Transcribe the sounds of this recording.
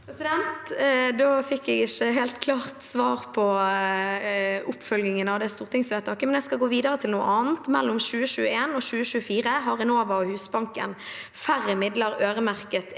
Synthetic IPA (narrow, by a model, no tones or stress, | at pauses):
pʰɾɛsɪd̪ɛnt̪d̪oːfɪkːɛɡɪçːəɦeːlt̪kʰlɑːʁt̪sʋɑːʁpʰɔ | ʊpːfœlɡɪŋənɑʋd̪ɛst̪uːʁt̪ɪŋsʋeːt̪ʰɑkːəmɛnɛskɑɡoːʋiːd̪əʁət̪ʰɪlnuːə̰ʔɑːnn̩t̪mɛ̰lːʊmʃʉːəʃʉːəeːnɔɕʉːəʃʉːəfiːʁəɦɑʁɛnoːʋɑɔhʉːsbɑŋkə̰n | fæʁːəmɪd̪ləɾøːɾəmæʁkət̪